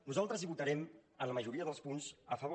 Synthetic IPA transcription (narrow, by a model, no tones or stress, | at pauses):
nuzalˠt̪ɾəziβut̪əɾɛmənləməʒuɾiəðəlˠspunzəfəβo